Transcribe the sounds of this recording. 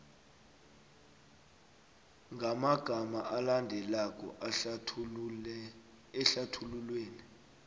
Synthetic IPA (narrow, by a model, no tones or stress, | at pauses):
ŋɡʱamaɡ̥ʱamaʔalandʱɛlak̬ʼɔ̰ʔ | ɛɬatʰululweːni